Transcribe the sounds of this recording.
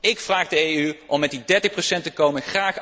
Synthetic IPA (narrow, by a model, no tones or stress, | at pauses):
ɪkfraːχdəeyʔɔmːɛtdidɛɹtəxprosɛntəkowmənxraːχ